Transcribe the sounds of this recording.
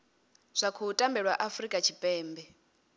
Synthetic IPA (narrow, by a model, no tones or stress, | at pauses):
z̥ʷakʰuːtʼambɛɺwaʔafrikʼat͡ʃʰipʼɛːmbɛ